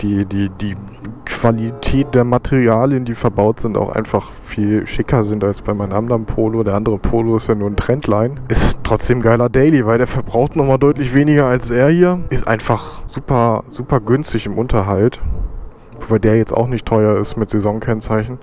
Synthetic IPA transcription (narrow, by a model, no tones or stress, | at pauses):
d̥iːdiːdiːkv̥alitʰɛːt̚d̥eːɐmatʰeʁiaːljəndiːfɛɐbaʊtz̥ɪnta̰ʊxʔa̰ɪnfaχ | fiːlʃɪkɐzɪntalsb̥aɪmaɪnʔa̰ndɐnpʰoːlodeːɐʔandəʁəpʰoːloɪstjanuːɐn̩tʁ̥ɛntʰlaɪnʔɪstʁ̥ɔt͡sd̥eːmɡaɪlɐdɛɪlivaɪldeːɐfɛɐbʁaʊxtnɔχmaːldɔʏtlɪçv̥eːnɪɡɐalsʔeːɐhiːɐʔɪstʔa̰ɪnfaχz̥uːpɐz̥uːpɐɡʏnstɪçɪmʔʊntɐɦalt | vobaɪdeːɐjɛt͡sta̰ʊxnɪçtʰɔʏɐɪstmɪtz̥ezɔŋkʰɛnt͡saɪçn̩